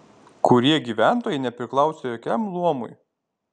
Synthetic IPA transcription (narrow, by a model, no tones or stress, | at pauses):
kʊɾʲiɛɡʲiːʋʲæˑnt̪oːjɛɪnʲɛpʲɾʲɪklˠɑˑʊsʲeːjɔkʲɛmlˠuɔmʊ̰j